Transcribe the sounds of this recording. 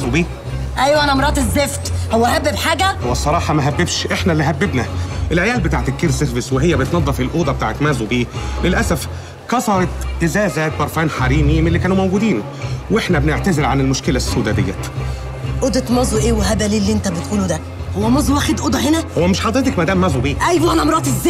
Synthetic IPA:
zubiː | ʔæjːæʔænæmɾˤɑːt̪ˤezːeft̪howːæhæbːebħaːɡæhowːæsˤːɑɾˤɑːħɑmæɦæbːebʃʔeħnælːiɦæbːebnæʔelʕejæːlbet̪aːʕet̪ekːeɾselvɪsweɦejːæbent̪nɑðˤːɑfilʔoːd̪ɑbet̪aːʕet̪mæːzubiːlelʔæsæf | kɑsˤɑɾˤɑt̪t̪ːezæːzæt̪̚bɑɾˤfæːnħaɾiːmimelːikæːnumæwɡuːd̪iːn | weħnæbeneʕt̪æzelʕanelmoʃkɪlæsːod̪æd̪ḛjːæ̰ | ʔoːd̪et̪mɑzˤuʔeːweɦæbæliːlːiʔent̪æbet̪ʔuːlud̪æ | howːæmɑzˤuwæːxed̪ʔoːd̪ɑɦenæhowːæmeʃħɑd̪ˤɾet̪ɑkmæd̪æːmːæːzubiːʔæjbʔænæʔmɾˤɑːʔt̪ezː

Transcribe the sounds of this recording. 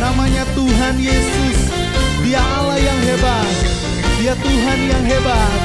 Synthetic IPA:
namaɲat̪uɦanjesʊs | diaʔalajaŋɦeba | t̪̚ | diat̪uɦanjaŋɦebat̪

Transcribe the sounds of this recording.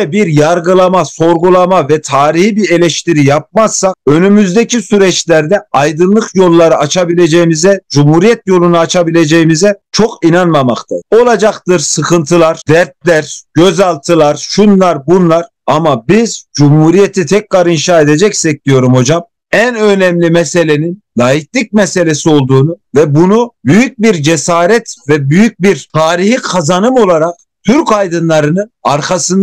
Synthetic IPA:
ɛbiɾjaɾɡɯlˠamaso̞ɾɡulˠamavɛt̪ʰaːɾihibiɾe̞lʲɛʃt̪iɾijap̚masːak̚ønymyzd̪ecʰisyɾɛt͡ʃlʲæɾd̪ɛajd̪ɯnlˠɯkjo̞lˠːaɾɯat͡ʃʰabilʲe̞d͡ʒejimizɛd͡ʒumhuɾijɛt̪̚jo̞lˠunaat͡ʃʰabilʲe̞d͡ʒejimizɛt͡ʃʰo̞kinanmamakt̪ʰa̰o̞lˠad͡ʒakt̪ɯɾsɯkʰɯnt̪ʰɯlˠaɾ̥d̪̥æɾt̪̚lʲæɾɟ̥øzalˠt̪ʰɯlˠaɾʃunlˠaɾbunlˠaɾ | amabizd͡ʒumhuːɾijet̪ʰit̪ʰɛcɾaɾinʃaːed̪ed͡ʒɛcsɛc̚d̪ijo̞ɾumho̞d͡ʒam | ænønɛmlʲimɛse̞lʲeninlaɦiklʲic̚mɛse̞lʲesio̞lˠd̪uːnuvɛbunubyjyc̚biɾd͡ʒɛsaːɾɛt̪vɛbyjyc̚biɾt̪ʰaːɾihikʰazanɯmo̞lˠaɾaq̚ | t̪ʰyɾkajd̪ɯnlˠaɾɯnɯaɾkʰasɯn

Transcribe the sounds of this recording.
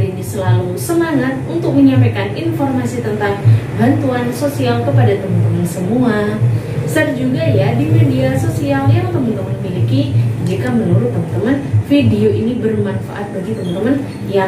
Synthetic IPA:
inisəlalusəmaŋat̪̚unt̪ʊk̚məɲampajkaninformasit̪ənt̪aŋbant̪uansosialkəpadat̪əmənt̪əmansəmua | sərd͡ʒuɡajadimediasosialjaŋt̪əmənt̪əmənfilikid͡ʒikamənuɾʊt̪ːəmant̪əmənfidioʔinibərmanfa̰ʔat̪̚baɡit̪əmənt̪əmən | ja

